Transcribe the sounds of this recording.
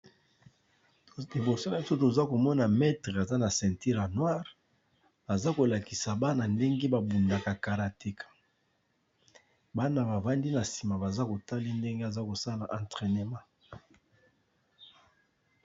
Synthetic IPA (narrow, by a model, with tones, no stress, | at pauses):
li˨bo˨so˦na˨bi˦so˦to˨za˦ko˨mɔ˦na˨mɛ˦tʁɛ˨a˨za˦na˨sɛ̃˨nti˦ʁa˨nwa˦ʁ | a˨za˦ko˨la˨ki˨sa˨ba˦na˨nde˦ŋɡe˦ba˨bu˨nda˨ka˨ka˨ʁa˨te˦kḁ˨ | ba˦na˨ba˨va˦ndi˦na˨si̥˨ma˨ba˨za˦ko˨ta˦li˦nde˦ŋɡe˦a˨za˦ko˨sa˦˨la˨ʔã˨ntʁɛ˨ne˨mã˦